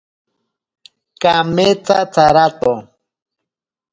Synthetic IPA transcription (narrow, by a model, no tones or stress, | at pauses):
kamet͡sat͡saɾat̪o